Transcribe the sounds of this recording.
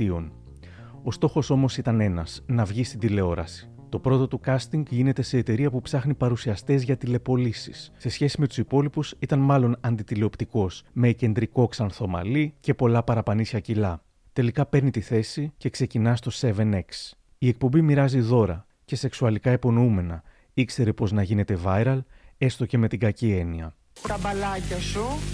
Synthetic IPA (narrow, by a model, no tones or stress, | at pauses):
io̞n | o̞st̪o̞xo̞so̞mo̞sit̪ɐne̞nɐsnɐvʝist̪ind̪ile̞o̞ɾɐ̰si̥ | t̪o̞pɾo̞t̪o̞t̪ukɐst̪iŋɡʝine̞t̪e̞se̞ːt̪e̞ɾiɐpupsɐxnipɐɾusiɐst̪ezʝɐt̪ile̞po̞lisisse̞sçe̞sime̞t̪u̥sipo̞lipusit̪ɐnmɐlo̞nɐnd̪it̪ileo̞pt̪iko̞sme̞ce̞nd̪ɾiko̞ksɐnθo̞mɐ̰lice̞po̞lɐpɐɾɐpɐnisçɐcilɐ | t̪e̞likɐpe̞ɾnit̪iθe̞sice̞kse̞cinɐst̪o̞se̞ve̞ne̞ks | ie̞k̚po̞mbimiɾɐziðo̞ɾɐ | ce̞se̞ksuɐlikɐepo̞noume̞nɐ | ikse̞ɾe̞po̞znɐʝine̞t̪e̞vɐjɾɐle̞st̪o̞ce̞me̞t̪iŋɡɐcie̞niɐ̰ | t̪ɐbɐlɐcɐsu